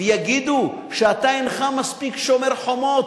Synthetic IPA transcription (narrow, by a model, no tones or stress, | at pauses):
jaɡid̪u | ʃɛat̪ajinχamaspikʃomeɾħomot